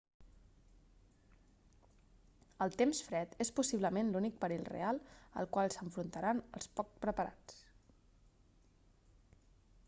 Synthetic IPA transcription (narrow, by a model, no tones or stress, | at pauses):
əlˠt̪emsfɾɛt̪espusiβləmenlunik̚pəɾilrḛalˠə̰lˠkwalˠsəɱfɾunt̪əɾanə̰lˠspɔkpɾəpəɾa̰t͡s